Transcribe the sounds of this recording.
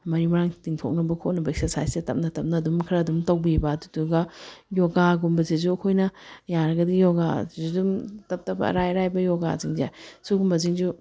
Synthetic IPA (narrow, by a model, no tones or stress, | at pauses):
mɐɾimɐɾaŋtiŋtʰok̚nɐbɐkʰotnɐbɐeksesajsetɐp̚nɐtɐp̚nɐːdumkʰɾɐdumtɐwbibadutuɡɐjoɡaɡumbɐzizuɐkʰojnɐjaɾɐɡɐdijoɡazudumtɐp̚tɐbɐ̰ɾajɾajbɐjoɡa̰ziŋza̰suɡumbɐziŋzu